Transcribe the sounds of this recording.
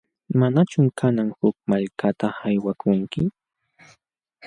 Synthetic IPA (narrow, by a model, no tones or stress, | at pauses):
manat͡ʃʊmkʰanaŋhʊk̚maʎkat̪ahajwakʰʊŋkɪ